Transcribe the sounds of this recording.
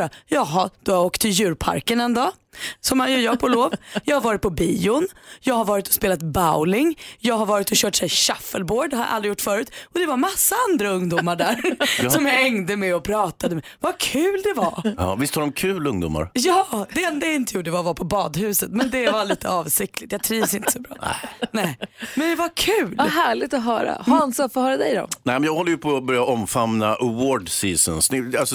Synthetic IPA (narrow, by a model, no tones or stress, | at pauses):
ajɑːɡɦad̪̥ɨhaoːkt̪ʰːɪljʉ̟ːɾpʰa̰ɾkənɛnd̪ɑː | sɔmhanjɵjɑːpʰɔloːvjɑːɡhaɾvɑːɾɪt̪̚pʰɔbiːʊnjɑːɡhaɾvɑːɾɪt̪ɔ̥speːlat̪baʊlɪŋjɑːɡhaɾvɑːɾɪt̪ɔɕœːʈsɛjɕafːəlboːɖhaɾa̰ʔa̰ld̪ɾɪjʊʈːfœːɾʉːt̪ɔd̪ɛvaɾmasːaand̪ɾaɵŋd̪ʊmːaɖæːsɔmjɛŋd̪əmɛɔpʰɾɑːt̪ad̪əmɛ | vakʰʉ̟ːld̪ɛvaɾvɪst̪haɾɔmkʰʉːlɵŋd̪ṵːmːa̰ɾjɑːdd̪ɛɛnd̪ɛɪnt̪əjuːɖɛvavaɾpʰɔbɑːd̪hʉ̟ːsət̪mɛnd̪ɛvaɭiːt̪ʰəɑːvsɪk̚t̪lɪ̥t̪jɑːɡt̪ʰɾiːvsɪnt̪əə̥sɔbɾɑ̰ːɛ̰nɛɪmɛnd̪ɛvakʰʉ̟ːlaɦæːɭɪɡ̚t̪ɔɦœ̰ːɾa̰haansɔfɔhœːɾad̪ɛjd̪ɔ̰nɛɪmɛnjɑːɡhɔlːəjɵpʰɔbœɾjaʔɔmfamnaʔawoːɖsiːsənsnɪalsɔ